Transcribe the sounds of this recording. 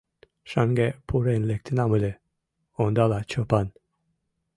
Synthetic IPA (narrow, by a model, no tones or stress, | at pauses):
ʃaŋɡepʰuɾenlek̚t̪ʰinamule | ond̪alat͡ʃʰopan